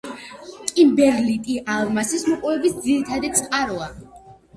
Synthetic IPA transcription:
kʼimbɛɾlit̪ʼiʔalˠmasismɔqʼɔvɛbisd̪ziɾit̪ʰad̪it̪sʼqʼaɾɔa

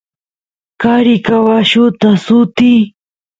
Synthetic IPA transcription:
kaɾɪkawaʃʊt̪asʊt̪i

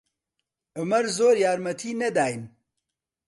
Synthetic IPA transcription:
ɨmɐɾzoːɾjaːɾmɐt̪ʰiːnɐd̪aːjn

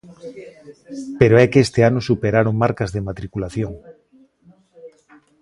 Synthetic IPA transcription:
peɾoɛkest̪eanosupeɾaɾoŋmaɾkazðemat̪ɾikulaθjoŋ

